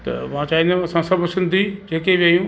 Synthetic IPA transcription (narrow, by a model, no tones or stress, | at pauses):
t̪ɐ̰mãt͡ɕaːĩnd̪aɐsãsɐbʱʊsɪ̃nd̪ʱid͡ʑeːkeʋjɐjũ